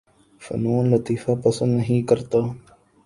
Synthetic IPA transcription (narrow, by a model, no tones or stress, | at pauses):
fɐ̰nuːnlɐt̪iːfaːpɐsənd̪nɐɦĩːkɐɾt̪aː